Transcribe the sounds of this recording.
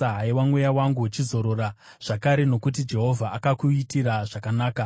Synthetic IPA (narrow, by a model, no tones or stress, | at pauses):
aɦaiwamwujawaŋɡut͡ʃizo̞ɾo̞ɾa | ʐ̥akaɾe̞no̞kut̬id͡ʒe̞ɦo̞vʱaʔakakuitiɾaʐakanaːka